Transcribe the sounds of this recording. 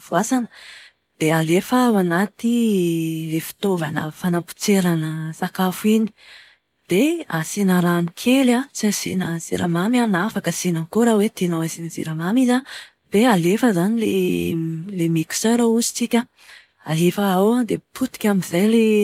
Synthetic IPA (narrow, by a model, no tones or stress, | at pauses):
vuasanə | d̪̥ealefawanat̪i | lefi̥t̪ovanə̰fanampu̥t͡seɾanəsakafuini̥ | d̪̥easinaɾanikʰelat͡sezinəzḭɾa̰mamanafakəsinankoɾawet̪enawazinəzḭɾamamiza | b̥ealefəzanilḛ | lemiki̥seɾouzi̥t͡sikʲə | aɦefəawad̪eput̪i̥kʲamizajle